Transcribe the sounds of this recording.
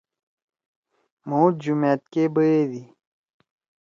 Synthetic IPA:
mũːd͡ʑumet̪̚kebəed̪i

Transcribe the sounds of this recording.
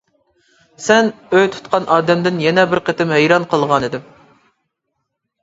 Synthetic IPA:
sɛnøjt̪ʰu̥t̪̚qɑnʔɑːd̪ɛmd̪ɪnjɛnɛbɪɾqʰət̪ɪmhejɾɑnqʰəlˠʁɑnɪd̪ɪm

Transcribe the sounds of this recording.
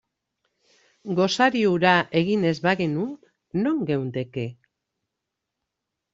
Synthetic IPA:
ɡo̞saɾiuɾaʔe̞ɣine̞zβaɣinunː | o̞ŋɡe̞wnt̪e̞ke̞

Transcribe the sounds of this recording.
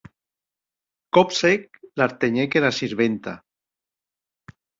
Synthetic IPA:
kɔpsek̚laɾt̪eɲekenasiɾβent̪a̰

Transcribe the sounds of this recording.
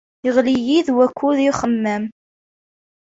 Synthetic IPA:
əʁlijiðwækʷːuðiχəmːæm

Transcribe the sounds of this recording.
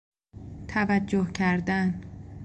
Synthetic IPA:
t̪ʰævæd͡ʒːohcʰæɾd̪æn

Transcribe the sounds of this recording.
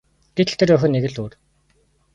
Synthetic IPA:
ɡ̥et̪̆ɬt̪ʰɘ̆rœxʲɘ̆neɣɘ̆ɮuːr

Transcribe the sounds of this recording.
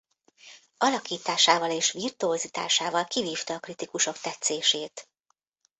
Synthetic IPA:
ɒlɒkiːt̪aːʃaːvɒleːʃʋirt̪uozit̪a̰ːʃaːvɒlkiviːft̪ɒːkrit̪ikuʃo̞kt̪ɛt̪seːʃeːt̪

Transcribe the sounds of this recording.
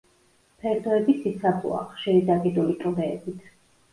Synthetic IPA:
pʰɛɾd̪ɔɛbisit̪sʰabʰʼṵa̰χʃiɾid̪aɡid̪ulik̪ʼlɛːbit̪ʰ

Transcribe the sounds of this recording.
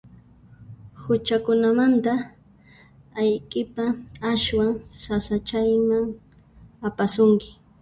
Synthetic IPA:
hʊt͡ʃakʊnamant̪a | ajkʼɪpaaʃwaŋsasat͡ʃajmaŋ | apasʊŋkɪ̥

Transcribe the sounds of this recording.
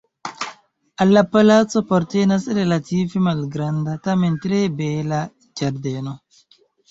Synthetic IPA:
alːapalat͡sopoɾtenasɾelativemalɡɾandatamentɾebela | d͡ʒaɾdeno

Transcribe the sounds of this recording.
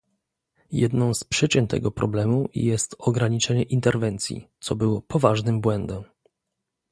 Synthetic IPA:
jɛd̪nɔ̃w̃spʂɘt͡ɕɛnt̪ɛ̰ɡɔpɾɔblɛmujɛst̪ɔɡɾaɲit͡ʂɛɲɛʔint̪ɛɾvɛnt̪sʲjḭt̪sɔbɘwɔpɔvaʐnɘmbwɛnd̪ɛm

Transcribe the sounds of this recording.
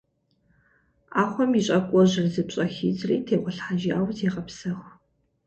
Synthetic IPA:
aːχʷɔmjiɕʼɐkʷʼɔʑɪrzɨpɕʼɐxḭːd͡zrḭːtʰeːʁʷɔɬħaːʒiaːwziʁɐpsɐʁ

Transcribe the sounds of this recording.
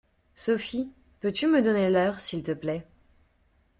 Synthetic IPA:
sɔfi | pøt̪yməd̪ɔnelœʁsilt̪əplɛ

